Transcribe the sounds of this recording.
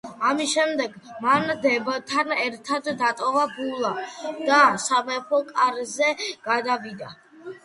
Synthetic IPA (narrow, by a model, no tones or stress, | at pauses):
amisʃɛmd̪ɛɡmand̪ɛbt̪ʰanɛɾt̪ʰad̪ːat̪ʼɔvabulˠad̪̥asamɛpʰɔkʼaɾzɛɡ̥ad̪avid̪a